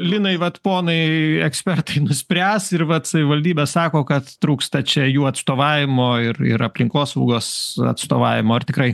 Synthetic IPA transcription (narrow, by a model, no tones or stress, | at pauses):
lʲɪnɐɪʋɐt̪poːnɐɪɛksʲpʲɛrt̪ɐɪnʊsʲpʲɾʲæːsɪrʋɐt̪sɐʋʲɪʋɐlʲdʲiːbʲɛːssɑːkoːkɐt̪t̪ɾuːkst̪ɐt͡ʃʲɛjuːɐt̪st̪oːʋɑːʋʲɪmoːɪrɪ̰ɾɐpʲlʲɪŋkoːsɐʊɡoːsɐ̰t̪st̪oːʋɑːʋʲɪmoːɐrt̪ʲɪkɾɐɪ